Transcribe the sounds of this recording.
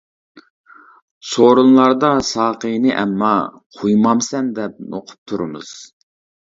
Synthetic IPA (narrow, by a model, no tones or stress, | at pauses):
soɾunlˠɑɾd̪ɑsɑːqənɨʔɛ̰mːɑ | qʰujmɑmsɛnd̪ɛp̚no̰qʰʊ̥p̚t̪ʰuɾɨmɨ̰z̥